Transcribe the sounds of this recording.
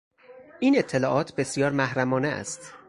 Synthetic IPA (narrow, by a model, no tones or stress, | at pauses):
ʔiːne̞t̪ʰːe̞lɒːʔɒːt̪ʰbe̞sjɒːɾmæhɾæmɒːneæ̰st̪